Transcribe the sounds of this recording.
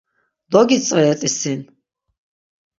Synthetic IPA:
d̪ɔɡit͡sʼaɛt̪ʼisin

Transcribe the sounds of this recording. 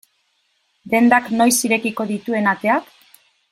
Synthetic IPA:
d̪e̞nd̪akno̞jsiɾe̞kiko̞ðit̪ue̞nat̪e̞ak

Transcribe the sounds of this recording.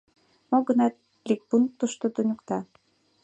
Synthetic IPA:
moɡə̆nɑt̪̚ | lik̚bunt̪ːəʃt̪od̪unʲukt̪ɑ

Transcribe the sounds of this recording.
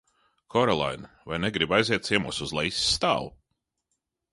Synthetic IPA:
kʰɔɾɔlˠa̰jn | vajnɛɡɾibajziɛt̪t̪siɛmṵɔsuzlˠɛjsi̥ːt̪a̰ːlˠu

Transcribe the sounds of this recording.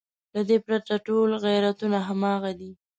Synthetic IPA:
lad̪epɾat̪aʈolɣajɾat̪unaɦamɑɣad̪i

